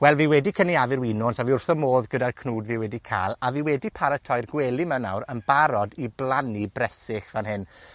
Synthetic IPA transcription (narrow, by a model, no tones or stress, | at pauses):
wɛlˠviːwɛdikʰəniavɪɾwɪnɔntʰaviʊrθɔmoːðɡədarkʰnuːdviːwɛdikʰa̰ːlˠaviːwɛdipʰaɾətʰɔɨrɡwɛlˠɪməna̰wɾənbaɾɔdiblˠanibrɛsɪxv̥anhɪn